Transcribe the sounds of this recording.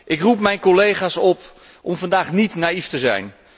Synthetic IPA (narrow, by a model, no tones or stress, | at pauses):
ʔɪkrup̚mɛjnkolejχaːsɔp | ʔɔmvɑndaːχnitnaːiftəzɛ̰jn